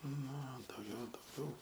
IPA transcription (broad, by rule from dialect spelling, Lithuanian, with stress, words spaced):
nʊ oː dɐʊˈɡʲɛʊ dɐʊˈɡʲɛʊ